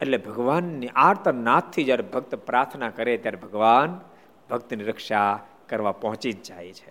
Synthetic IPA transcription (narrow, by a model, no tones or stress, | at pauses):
eʈlebʱəɡʋanːiʔaɾt̪ʰənat̪ʰːid͡ʒjaɾebʱək̚t̪pɾaɾt̪ʰnakəɾet̪jaɾebʱəɡʋan | bʱək̚t̪niɾəkʂa | kəɾʋapɔɦɔ̃t͡ʃid͡ʒd͡ʒajt͡ʃʰe̥